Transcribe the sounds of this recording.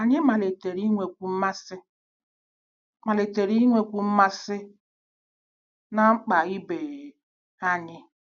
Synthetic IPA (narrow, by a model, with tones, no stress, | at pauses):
a˨ɲɪ˦ma˨le˨te˨ɾi˦ŋʷe˨kʷu˨m̩˦ma˦sɪ˦ | ma˨le˨te˨ɾi˦ŋʷe˦kʷu˨m̩˦ma˦sɪ˦ | na˦ŋ͡m̩˦k͡pa˨ɣɪ˦be˨ | a˦ɲɪ˦